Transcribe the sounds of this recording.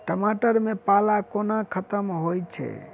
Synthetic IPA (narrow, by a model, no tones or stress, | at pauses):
ʈəmaʈəɾmepalakonakʰət̪əmɦojt͡ʃʰɛ̰